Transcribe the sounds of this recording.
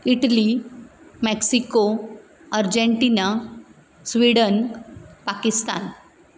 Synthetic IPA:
iʈli | mɛksiko | əɾd͡ʑeɳʈina | sʋiɽənpakist̪a̰n

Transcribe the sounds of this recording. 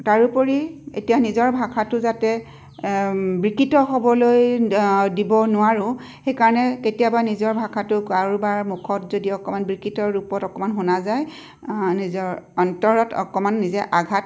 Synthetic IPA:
taɹupɔɹiḛtijanizɔɹbʱakʰatʊzatɛ | bɹikitɔxɔbɔloj | dibɔnʊwaɹʊ | xejkaɹɔnɛketijabanizɔɹbʱakʰatʊkaɹubaɹmukʰɔtzodiɔkɔmanbɹikitɔɹupɔtɔkɔmanɦonazaj | nizɔɹɔntɔɹɔtɔ̰kɔmanːizɛʔaɡʱat

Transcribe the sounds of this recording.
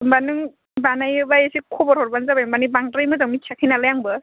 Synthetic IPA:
mbanɯŋ | banajɯbajesikʰobɔɾhɔɾbanzabajbanibaŋtɾɯjmɯzaŋmikʰakʰinalajaŋbɯ

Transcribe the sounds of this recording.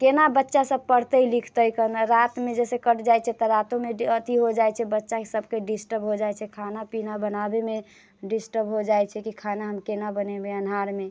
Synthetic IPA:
kenabətːʃasəb̚pəɽt̪əilikʰt̪əjkənaɾat̪med͡ʒɛsekəʈd͡ʒajt͡ʃʰɛt̪əɾat̪õmeət̪iɦod͡ʒajt͡ʃʰɛbətːʃakesəbkeɖisʈəbɦod͡ʒajt͡ʃʰɛkʰanapinabənabeme | ɖisʈəbɦod͡ʒajt͡ʃʰɛkikʰanaɦəmkenabənɛbeənɦaɾme

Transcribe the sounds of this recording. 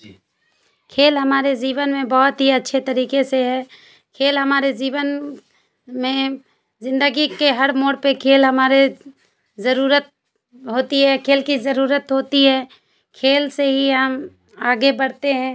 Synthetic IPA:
kʰeːlɦɐmaːɾeziːwənmẽbɔːʊt̪ɦiɐtːʃʰet̪ɐɾiːkeseɦɛ̃ː | kʰeːlɦɐmaːɾeziːwən | mẽ | zɪ̃nd̪əɡikeɦɐɽmoːɽpekʰeːlɦɐmaːɾe | zɐɾuːɾət̪̚ | ɦoːt̪iɦɛːkʰeːlkizɐɾuːɾət̪ɦoːt̪iɦɛ̃ː | kʰeːlseɦiɦəm | aːɡebɐɽt̪eɦɛ̃ː

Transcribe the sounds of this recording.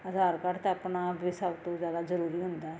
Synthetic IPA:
əzaːɾkaɾt̪eəpnabɪsəbt̪õzjaːd̪azəɾuːɾiːɦʊ̃nd̪aː

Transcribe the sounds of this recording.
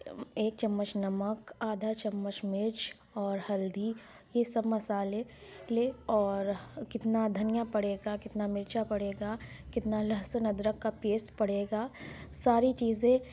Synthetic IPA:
eːk̚t͡ʃɐmːət͡ʃnɐməkaːd̪ʱat͡ʃɐmːət͡ʃmɪɾt͡ʃ | ɔːɾhɐld̪i | jesɐbmɐsaːleleɔːɾkɪt̪nad̪ʱɐnɪjapɐɽeːɡakɪt̪namɪɾt͡ʃapɐɽeːɡaːkɪt̪nalɐɦsənɐd̪ɾəkːapeːspɐɽeːɡaːsaːɾit͡ʃiːzẽ

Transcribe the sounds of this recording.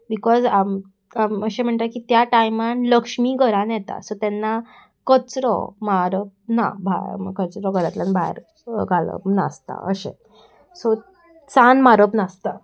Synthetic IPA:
bikɔza | aəɕem̤əɳt̪akit̪jaʈajmanləkʂmiːɡʱəɾãnjɛt̪a̰sɔt̪ɛnːa | kət͡sɾɔ̰maɾəp̚na̰bʱakət͡sɾɔɡʱəɾat̪lanbʱaḛɾ | ɡalə̰na̰st̪a̰ə̰ɕḛ̃ | sɔ | t͡sanmaɾəpnast̪a

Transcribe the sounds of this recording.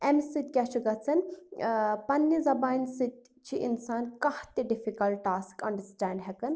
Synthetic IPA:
emsit̪̚kʲat͡ʃʰiɡɐt͡sʰɐn | pɐnːizɐbaːnsid̪̚ | t͡ʃʰiʔḭnsaːnkɐht̪iɖifikɐlʈːaːskɐɳɖəɾsʈaːɳɖɦɛkɨn

